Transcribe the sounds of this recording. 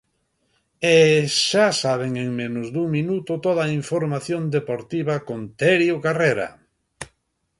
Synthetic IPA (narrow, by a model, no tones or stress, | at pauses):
eʃasaβ̞eŋeŋmẽnʊzd̪uŋminut̪ʊt̪oðaiɱfoɾmaθjond̪epoɾt̪iβakont̪ɛɾjokareɾa̰